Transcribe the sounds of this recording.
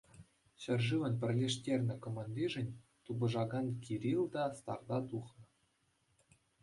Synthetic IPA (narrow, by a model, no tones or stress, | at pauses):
ɕɘ̆rʐɨʋɘ̆npʲɘ̆rʲlʲeʂtʲerʲnʲɘ̆komɑnd̪ʲiʐɘ̆nʲt̪ubɤ̆ʐɑɡɑnkʲiɾʲilʲˠd̪ɑst̪ɑ̰rd̪ɑt̪uχnɤ̆